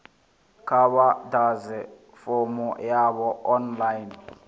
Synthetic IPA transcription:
kʰaɓadazɛ | fomṵjaɓɔɔnlajn

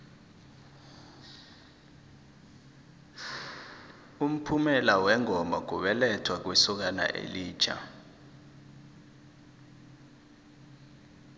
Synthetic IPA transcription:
um̩pʰumɛlawɛŋɔmbak̬ʼuɓɛlɛtʰwak̬wisuk̬ana̰ʔḛliːd̥t͡ʃʰʼa̰

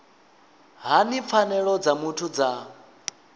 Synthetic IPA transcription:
ɦanip̪fʰanɛɺɔd͡zamutʰud͡za

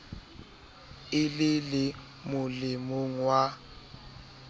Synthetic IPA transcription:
ɪlɪlɪ | mʊlɪmʊŋ̩wa

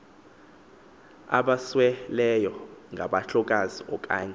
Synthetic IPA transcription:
a̰ɓaswɛlɛjɔŋɡʱaɓaɬɔk̬ʼaziɔk̬ʼa̰ːɲa

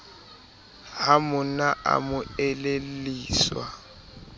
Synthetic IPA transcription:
ɦamʊnaa̰mʊɛleliːswa̰

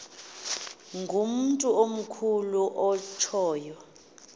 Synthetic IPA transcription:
ŋɡʱum̩ntʼuom̩kʰuluʔɔt͡ʃʰɔːjɔ

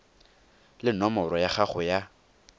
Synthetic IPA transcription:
lɪnɔmɔrɔjaχaχʊja

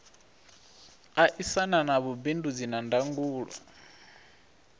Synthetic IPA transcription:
aʔisananaβubindud͡zinandaŋɡuːɺa̰

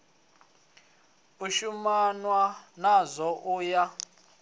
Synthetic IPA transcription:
uʃumanwanazʷɔʔuja

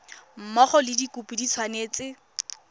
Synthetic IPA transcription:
m̩mɔχɔlɪdikupidit͡sʰwaneːt͡sɪ

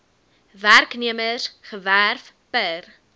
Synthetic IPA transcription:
værkniəməsχəværf | pər

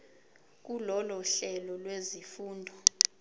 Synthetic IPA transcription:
k̬ulɔlɔɬɛlɔlwezifuːndʱɔ

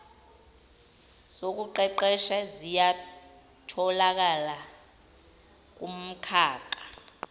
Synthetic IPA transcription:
sok̬uǃɛǃɛʃazija | tʰɔlak̬ala | k̬um̩kʰaːǃa

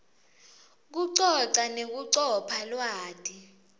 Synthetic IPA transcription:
k̬uǀɔǀanek̬uǀɔpʰalwaːdʰʼi

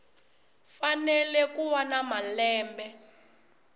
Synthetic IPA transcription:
fanɛlɛkuwanamalɛːmbɛ

